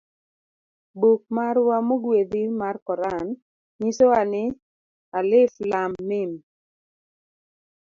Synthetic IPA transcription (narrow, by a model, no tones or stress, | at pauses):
buk̚maɾwamoɡwed̪imarkɔɾan | ɲisoanɪ | alɪflamnɪm